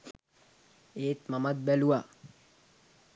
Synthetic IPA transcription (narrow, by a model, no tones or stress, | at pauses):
eːt̪mamat̪̚bɛluwa